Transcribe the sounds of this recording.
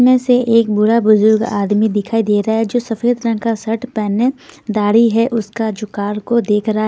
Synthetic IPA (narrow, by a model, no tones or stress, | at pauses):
mẽseʔeːk̚bʊɽabʊzʊɾɡa̰ːd̪mid̪ɪkʰaːid̪eːɾaaɦɛd͡ʒoːsɐfeːd̪ɾə̃ŋkasɐʈpɛːned̪aːɽiɦɛʔʊskad͡ʒʊkaːɾkod̪eːkʰɾɐɦa